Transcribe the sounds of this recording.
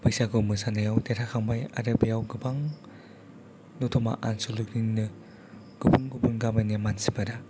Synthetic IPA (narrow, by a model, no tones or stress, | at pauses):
bɯjsaɡɯmɯsanɯjawteɾʰakʰaŋbaja̰ɾɯbijawɡɯbaŋ | nɔtʰɔma̰ʔansulukinːɯ | ɡ̥ɯbɯŋɡɯbunɡamɯnjamansi̥baɾa